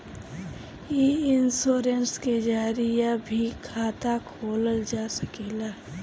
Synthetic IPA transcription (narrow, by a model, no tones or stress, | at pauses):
eɪnsoːɾensked͡ʒaːɾijabʱikʰaːt̪akʰoːləld͡ʒaːsəkilaː